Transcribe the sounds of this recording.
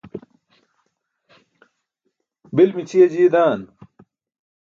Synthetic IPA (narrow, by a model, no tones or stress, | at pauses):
bilmit͡ɕʰijɐd͡ʑiːd̪aːn